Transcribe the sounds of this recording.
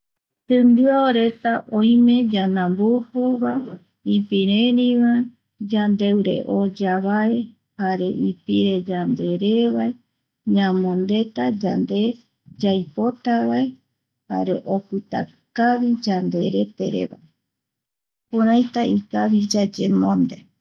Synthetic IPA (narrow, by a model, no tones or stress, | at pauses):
t̪ɨ̃nb̪ɨaoɾe̞t̪aʔõj̃mẽd͡ʒanãmbupuβa | ipiɾeɾĩβa | d͡ʒand̪e̞wɾḛʔod͡ʒaβae | haɾe̞ʔipiɾe̞d͡ʒand̪eɾeβae | ɲãmõnd̪e̞t̪ad͡ʒand̪e | d͡ʒajpot̪aβae | ha̰ɾḛʔokɨt̪a̰ | kaβid͡ʒand̪e̞ɾe̞t̪ḛɾḛβa̰e | kuɾajt̪aikaβid͡ʒad͡ʒemõnd̪e